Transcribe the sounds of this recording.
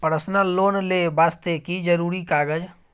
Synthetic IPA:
pəɾəsnalonlebast̪ekid͡ʒəɾuɾikaɡəd͡ʒ

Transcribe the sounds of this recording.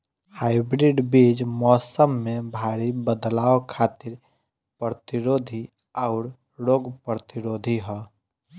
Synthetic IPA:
haːɪbɾiɖbid͡ʒmɔːsəmːebʱaːɾibəd̪laːokʰat̪ɪɾ | pɾət̪iɾoːd̪ʱi | aʊɾ | ɾoːɡpɾət̪iɾoːd̪ʱiɦɛ

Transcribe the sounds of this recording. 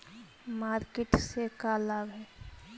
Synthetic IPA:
maːɾkeʈsekalabɦɛː

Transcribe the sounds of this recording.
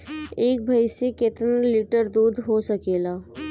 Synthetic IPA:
eːk̚bʱəjsekɪt̪nlɪʈəɾd̪uːd̪ʱɦosəkeːlaː

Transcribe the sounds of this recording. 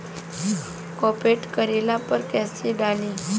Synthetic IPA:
kɔpeʈkəɾelapəɾkɛseɖali

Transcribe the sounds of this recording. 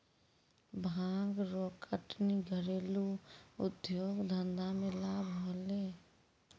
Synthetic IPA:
bʱãːŋɡɾokʰəʈniɡʱəɾeːluʊ̰d̪joːɡd̪ʱənd̪amelabʱɦole

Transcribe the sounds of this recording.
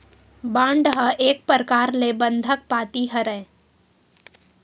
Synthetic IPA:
bãːɳɖɦəʔeːk̚pəɾkaːɾlebə̃nd̪ʱək̚paːt̪iɦəɾɛ

